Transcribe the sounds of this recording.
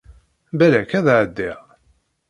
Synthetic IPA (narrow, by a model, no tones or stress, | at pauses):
bælækæðʕəd̪ːiʁ